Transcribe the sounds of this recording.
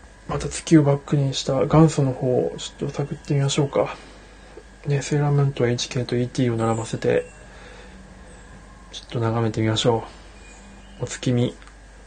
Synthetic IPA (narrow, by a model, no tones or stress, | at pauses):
mat̪at͡sɨ̥kʲio̞bakːɯ̟ɲ̟iɕi̥t̪aɡãɰ̃sono̞ho̞ːt͡ɕo̥t̪ːo̞sakɯ̟t̪ːe̞mʲimaɕo̞ːka | ne̞se̞ɾamẽnt̪o̞eit͡ɕi̥ke̞ːt̪o̞iːt̪ʲiːo̞naɾabase̞t̪e̞̰ | t͡ɕo̥t̪ːo̞naɡame̞t̪e̞mʲimaɕo̞ː | ot͡sɨ̥kʲimʲi